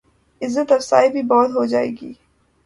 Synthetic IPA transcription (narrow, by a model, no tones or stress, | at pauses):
ɪzːət̪ɐfsaːibʱibɔːt̪ɦod͡ʒaːḛːɡḭː